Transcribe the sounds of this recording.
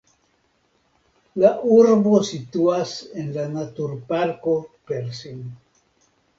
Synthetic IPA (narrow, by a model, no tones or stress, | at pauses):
laʔuɾβosit̪uasenlanat̪uɾpaɾkopeɾsin